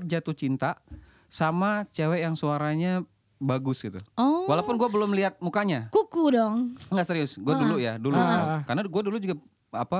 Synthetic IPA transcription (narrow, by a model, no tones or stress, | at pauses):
d͡ʒat̪ut͡ʃint̪a | samat͡ʃewɛʔjaŋsuaɾaɲa | baɡʊsɡit̪uɔwalapʊnɡuabəlʊmliɦat̪̚mukaɲakukudɔŋŋɡaʔseɾiʊsɡuadulujadulukanaɡuadulud͡ʒuɡa | apa